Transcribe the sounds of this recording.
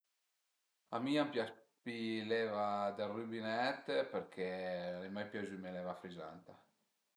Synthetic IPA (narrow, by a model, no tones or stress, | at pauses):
amiampjaspilɛvad̪erybinɛt̪ːpeɾkʰelemajpjazymelɛvafɾiza̰nt̪a